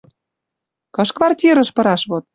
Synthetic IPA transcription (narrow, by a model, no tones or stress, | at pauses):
kɤ̆ʃkvɑrtʲiɾə̆ʃpɤ̆ɾɑʃβot̪̚